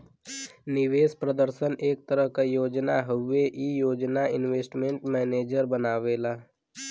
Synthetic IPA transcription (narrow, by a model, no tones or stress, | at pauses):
nɪʋeːspɾəd̪əɾʃənʔeːk̚t̪əɾəɦkajoːd͡ʒnaɦʊeʔijoːd͡ʒnaɪnʋeːsʈmẽɳʈmɛːneːd͡ʒəɾbənaːʋeːlaː